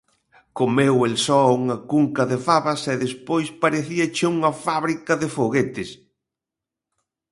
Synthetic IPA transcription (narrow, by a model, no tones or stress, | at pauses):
komewelsɔuŋɐkuŋkɐðɪfaβɐsɛðespojspaɾeθiɐt͡ʃɪuŋɐfaβɾikɐðɪfoɣet̪ɪs